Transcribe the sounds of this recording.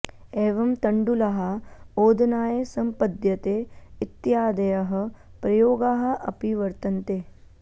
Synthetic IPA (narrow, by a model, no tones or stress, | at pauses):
eːʋɐmt̪ɐɳɖulɐɦɐoːd̪ʱnaːjesɐmpɐd̪ʱjɐt̪eːɪt̪ːjaːd̪ɐjɐɦɐ̆pɾɐjoːɡaːɦɐ̆ʔɐ̰piʋɐɾt̪ɐnt̪eː